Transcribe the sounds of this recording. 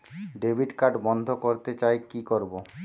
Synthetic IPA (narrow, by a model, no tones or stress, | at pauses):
ɖebʱiɖkaɖbɔnd̪ʱokoɾt̪et͡ɕaekikoɾbo